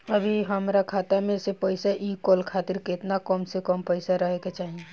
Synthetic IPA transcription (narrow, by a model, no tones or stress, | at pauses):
ɐbʱiɦɐmɾakʰaːt̪amẽsepɛɪsaʔiːkɔːlkʰaːt̪ɪɾkɪt̪nakɔːmsekɔːmpɛɪsaɾɐɦekat͡ʃaːɦiẽ